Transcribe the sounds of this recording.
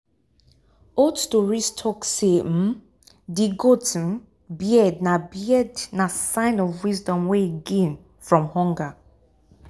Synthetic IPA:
otstɔɹistʰɔksem̩ | diɡotn | bjɛdnabiɛdnasãɪ̃nɔvwizdɔ̃mweiɡẽn | fɹɔ̃mhɔ̃ŋɡa

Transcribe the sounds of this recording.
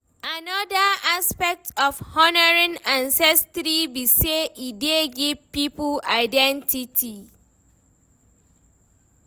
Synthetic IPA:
anɔdəaspɛk̚tɔfhɔnəɹĩnãnsɛstɾibiseʔideɡivpiplaɪdɛ̃ntʰitʰi

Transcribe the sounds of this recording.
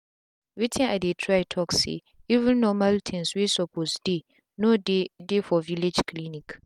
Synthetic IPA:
witʰɪ̃adetʰɾaɪtʰɔksḛ | ivũnːɔ̃maltʰɛ̃nswesɔpʰosde | nõdɪdɪfɔviled͡ʒkʰlinĩk

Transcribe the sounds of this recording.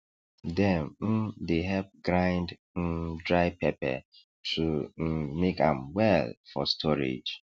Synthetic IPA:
dɛ̃mm̩deɦɛp̚ɡɹãɪnd̩ | dɹaɪpɛpɛ̰ | tʰumekã̰mwɛlfɔstʰɔɹḛd͡ʒ

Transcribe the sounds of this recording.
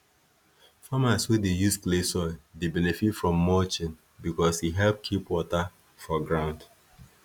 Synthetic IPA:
famaswedejusplesɔɪdebɛnɛfitfɹɔ̃mːɔt͡ʃĩn | bikɔsiɦɛlp̚kʰipwɔta | fɔɡɹãʊ̃nd

